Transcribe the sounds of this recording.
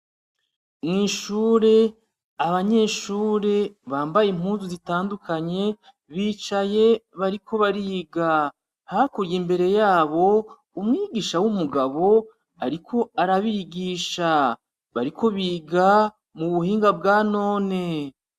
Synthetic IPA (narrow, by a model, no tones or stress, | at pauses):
mŋiːʃuːɾe̞ | aβaɲe̞ːʃuːɾe̞βaːmbajemuːnzuzitaːndukaɲe̞ | βiːt͡ʃaje̞βaɾikʰo̞βaɾiːɡa | hakuɾjimbe̞ɾe̞jaːβo̞ | umŋiːɡiːʃawumuɡaβo̞ | aɾikʰo̞aɾaβiɡiːʃa | βaɾiko̞βiːɡa | muβuhiːŋɡab̚ɡaːno̞ːne̞